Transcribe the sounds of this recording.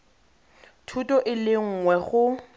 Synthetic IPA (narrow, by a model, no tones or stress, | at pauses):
tʰutɔʔɪlɪŋ̩ːŋwɛχʊ